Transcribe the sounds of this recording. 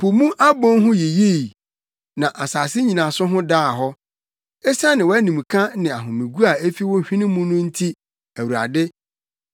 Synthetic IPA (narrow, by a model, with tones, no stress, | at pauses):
pʰo˨mũ˦ʔa˦bɔ̃˦nɦʊ̃˦je˨je˦i˨ | nã˨ʔa˨saː˨sɪ˦ɲĩ˨nã˨sʊ˦ɦʊ̃˦daː˦˨ɦɔ˦ | ɛ˦sa˦nɪ̃˨wɔ˦æ˦nĩ˨m˨kʰã˦nɪ̃˨a˨ɦʊ̃˨mĩ˨ɡu˦a˨e˦fi˦wɔ̃˦ɕᶣĩ˦nɪ̃˦mũ˦nʊ̃˦n̩˦tʰi˦ | æ˨wu˨ɾa̰˨dɪ˦